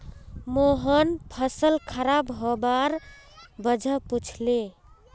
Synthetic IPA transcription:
moɦənpʰəsəlkʰəɾabɦobaɾbəd͡ʒʱəput͡ʃʰle

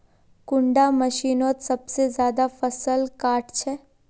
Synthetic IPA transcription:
kʊɳɖamɐʃiːnoːt̪sɐbsezjaːd̪afɐsəlkaːʈt͡ʃʰɛː

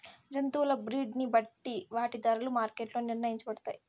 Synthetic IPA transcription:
d͡ʒɐnt̪uːlɐbɾiːɖnibɐʈːiʋaːʈid̪ɐɾɐlumaːɾkeːʈloːniɾnɐjiɲt͡ʃɐbɐɽɐt̪aːji

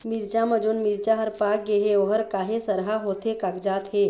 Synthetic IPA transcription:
miɾd͡ʒaməd͡ʒunmiɾt͡ʃaɦəɾpaːk̚ɡeɦeoɦəɾkaːɦesəɾɦaɦoːt̪ekakd͡ʒaːt̪ɦeː

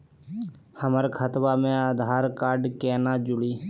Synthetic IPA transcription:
həməɾkʰət̪baːmẽaːd̪ʱaːɾkaːɾɖkɛːnaːd͡ʒʊɽiː

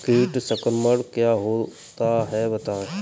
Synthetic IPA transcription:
kiːʈsəkəɾməɽkjaːɦoː | t̪aɦɛbɐt̪aːẽ

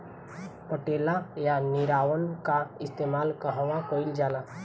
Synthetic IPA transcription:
pəʈeːlajanɪɾaːwənkaɪst̪eːmaːlkəɦə̃ʋãkoːɪld͡ʒaːlaː

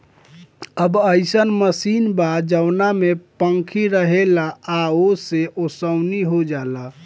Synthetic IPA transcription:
əbəɪsənməsiːnbad͡ʒəwnamepəŋkʰiɾəɦelaːoseʔosəʊniɦod͡ʒala

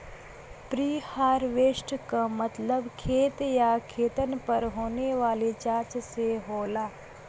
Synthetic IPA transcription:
pɾiːhaːɾʋeːʃʈkamɐt̪ləbkʰeːt̪jakʰeːt̪ənpɐɾɦoːneʋaːlet͡ʃaːt͡ʃseɦoːlaː

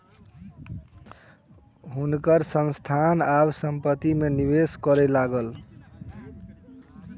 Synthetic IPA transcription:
ɦunkəɾsə̃nst̪ʰanabsəmpət̪imeniβeskʌɾɛlaɡəl

